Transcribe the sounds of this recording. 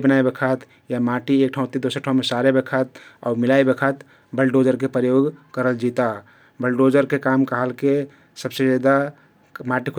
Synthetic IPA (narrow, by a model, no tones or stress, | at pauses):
bənaebekʰət̪ | jamaːʈieːk̚ʈʰaʊ̃t̪id̪oːsəɾʈʰaʊ̃mesaɾebekʰət̪̚ɔ̰ːɾmɪlaebekʰət̪ | bəlɖoːd͡ʒəɾkepɾəjoːɡkəɾəld͡ʒiːt̪a | bəlɖoːd͡ʒəɾkekaːmkəɦəlke | səbsed͡ʒaːd̪a | maːʈikʰ